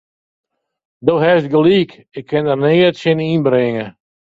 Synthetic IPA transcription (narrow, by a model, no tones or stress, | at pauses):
dowɦɛst̚ɡəliːk | ɪkʰːɪndərnɪːətsɪninbɾɪŋə